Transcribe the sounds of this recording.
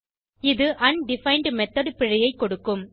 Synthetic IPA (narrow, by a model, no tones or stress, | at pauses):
ɪðɯʔɐnɖɪfɐɪɳɖmɛt̪ːɐðɯpɪɻɐjɐɪkːɔɽɯkːɯm